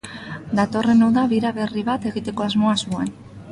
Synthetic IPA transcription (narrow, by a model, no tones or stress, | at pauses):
d̪at̪o̞re̞nowðaβiɾaβe̞riβat̪e̞ɣit̪e̞ko̞azmo̞azmuan